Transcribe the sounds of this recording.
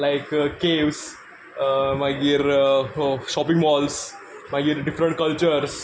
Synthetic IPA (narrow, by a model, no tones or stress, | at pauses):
laɪkkeːʋs | maɡiɾ | ʃɔpɪ̃ŋɡʋɔːls | maɡiɾɖɪfɾə̃ɳʈ̚kəlt͡ʃəɾs